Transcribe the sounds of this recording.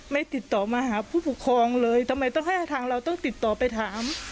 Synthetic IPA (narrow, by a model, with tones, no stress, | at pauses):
ma˥˩jt̪i˨˩t̪ːɔː˨˩maː˧haː˩˦pʰuː˥˩pu˨˩kʰːɔː˧ŋlɤː˧jt̪ʰa˧mːa˧jt̪ɔ˥˩ŋɦa˥˩ja˥˩t̪ʰaː˧ŋɾa˧wt̪ɔ˥˩ŋt̪i˨˩t̪ːɔː˨˩pa˧jt̪ʰaː˨˩˦m